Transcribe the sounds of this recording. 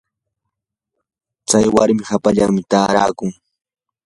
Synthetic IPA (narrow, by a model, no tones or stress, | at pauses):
t͡sajwaɾmɪhapaʎa̰ŋmɪt̪aːɾaːkʊŋ